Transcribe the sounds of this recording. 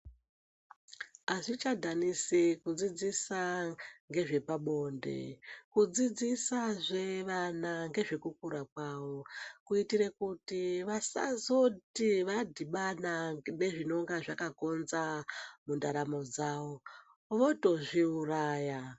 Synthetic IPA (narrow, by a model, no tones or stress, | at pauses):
aʐit͡ʃadʱanisikud͡zid͡zisaŋɡe̞ʐe̞paɓo̞ndḛkud͡zid͡zisaʐe̞ʋanaŋɡe̞ʐe̞kuk̚uɾakwaʋokuitiɾe̞kutiʋasa̰zo̞tiʋadʱiɓanane̞ʐino̞ŋɡaʐakako̞nzamundaɾamo̞d͡zaːʋo̞ | ʋo̞to̞ʐiuraːja